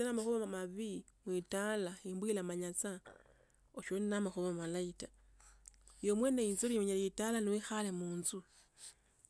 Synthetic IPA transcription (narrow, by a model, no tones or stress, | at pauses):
enamaxuβamamaβimwitalaimbwilamaɲat͡sa | oʃoninamaxuβammalaita | jomweneinzolimeɲelitalanowixalemuːnzu